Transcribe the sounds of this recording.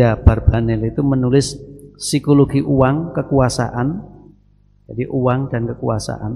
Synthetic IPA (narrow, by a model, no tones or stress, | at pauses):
ab̥arb̥anɪlit̪umənulɪsːikoloɡiʔuwaŋkəkuasa̰ʔan | d͡ʒadiʔuwaŋdankəkuasa̰ʔa̰n